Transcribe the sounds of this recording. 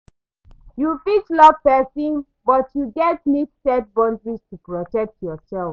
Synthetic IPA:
jufit͡ʃlɔvpɛsĩn | bɔtjuɡɛt̚mitsɛd̚bɔ̃ndɹistupɹɔtɛk̚tjɔsɛlf

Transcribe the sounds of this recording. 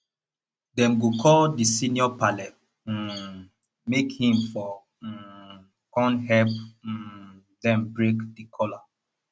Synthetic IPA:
dɛ̃mɡokʰɔldisĩnjɔpalɛt̚ | mekhĩmfɔ | kɔ̃nɦɛlp | dɛ̃mbɹekdikʰɔla

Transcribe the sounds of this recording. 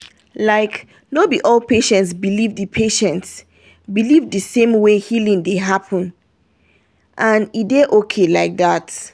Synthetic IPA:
laɪk | nobiʔɔlpeʃɛ̃nts̬bilivdɨpʰeʃɛ̃nts | bilivdɨsẽmwehilĩŋdeɦapʰə̃n | ʔãnideʔokʰelaɪk̚ðat

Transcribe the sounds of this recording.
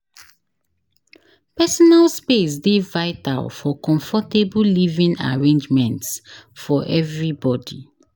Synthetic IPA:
pɛsɔnalspes̬devaɪta̰lfɔkɔ̃ɱfɔtebulivĩna̰ɹẽnd͡ʒmɛ̃ntsfɔʔɛvɹibɔdi

